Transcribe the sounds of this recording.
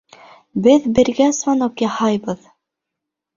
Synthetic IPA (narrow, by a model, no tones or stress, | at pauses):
bɘðbɘ̆ɾɡæsvɑnokjɑhɑjbɤð